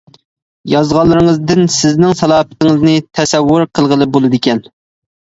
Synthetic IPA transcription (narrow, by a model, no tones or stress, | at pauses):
jɑzʁɑlˠːɨɾɨŋəzd̪ɪnsɪznɪŋsɑlˠɑːpɪ̥t̪ɪŋɪznɨt̪ʰɛsɛwːʊɾqʰəlˠʁəlˠɨbolˠɨd̪ɪkʲɛn